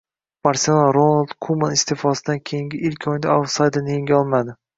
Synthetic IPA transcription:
maɾsonˠaɾonalˠd̪̥kʰumanɪst̪ʰefɒsɪd̪ankʲʰe̞jɪŋɡʲɪʔɪlkʲʰɒjd̪aasajd̪anjeŋɡʲɒlˠmad̪ɪ

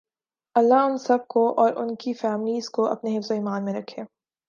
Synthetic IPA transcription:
ɐlːaʊnsɐb̚koʔɔːɾʔʊnkifɛːmɪliːzkoɐ̰pneɦɪfzoiːmaːnmẽɾɐkʰːeː

